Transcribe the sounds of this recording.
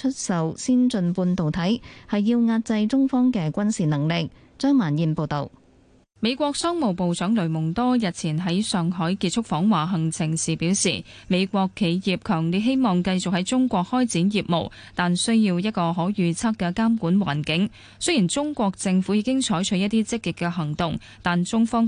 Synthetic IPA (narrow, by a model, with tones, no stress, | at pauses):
t͡ʃʰɵ˥t̚sɐ˨˧wsiː˥nt͡sɵ˧npuː˧nt̪o˨˩wt̪ʰɐ˨˥jhɐ˨jːiː˧wŋaː˧t̚t͡sɐ˧jt͡sʊ˥ŋfɔː˥ŋkɛː˧kʷɐ˥nsiː˨˩nɐ˨˩ŋlɪ˨k̚ | t͡ʃœː˥ŋmaː˨˩njiː˨˧npo˨˧wt̪o˨˩w | me˨˧jkʷɔː˧k̚sœː˥ŋmo˨˩wpo˨wsœː˨˥ŋlɵ˨˩ɥmʊ˨˩ŋt̪ɔː˥jɐ˨t̚t͡sʰiː˨˩nɦɐ˨˥jsœː˨ŋɦɔː˨˥jkiː˧t̚t͡ʃʰʊ˥k̚fɔː˨˥ŋwaː˨ɦɐ˨˩ŋt͡sʰɪ˨˩ŋsiː˨piː˨˥wsiː˨˩ | me˨˧jkʷɔː˧kʰːe˨˧jjiː˨p̚kʰœː˨˩ŋli˨˧˥ɦe˥jmɔː˨˩ŋkɐ˧jt͡sʊ˨k̚hɐ˨˥jt͡sʊ˥ŋkʷɔː˧k̚hɔː˥jt͡siː˨˥njiː˨˩p̚mo̰˨˩w | t̪aː˨nsɵ˥ɥjiː˧wjɐ˥t̚kɔː˧ɦɔː˨˥jyː˨˧t͡sʰɐ˥k̚kɛ˧kaː˥mkuː˨˥nwa̰ː˨˩nkɪ˨˥ŋ | sɵ˥ji˨˩nt͡sʊ˥ŋkʷɔː˧k̚t͡sɪ˧ŋfu˨˥jiː˧kɪ˥ŋt͡ʃʰɔː˨˥jt͡ʃʰɵ˨˥ɥjɐ˥t̪iː˥t͡sɪ˥kːɪ˨kːɛ˧ɦɐ˨˩ŋt̪ʊ˨ŋ | t̪aː˨nt͡sʊ˥ŋfɔː˥ŋ